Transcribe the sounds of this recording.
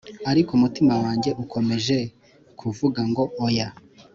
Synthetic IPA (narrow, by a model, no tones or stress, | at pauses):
aɾikomutimawaːɲɟe̞ʔukʰo̞me̞ʒe̞ | kʰuvuɡaŋɡo̞ʔoja